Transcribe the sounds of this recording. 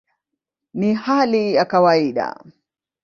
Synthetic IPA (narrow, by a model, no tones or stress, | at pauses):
nihalijakawaiɗa̰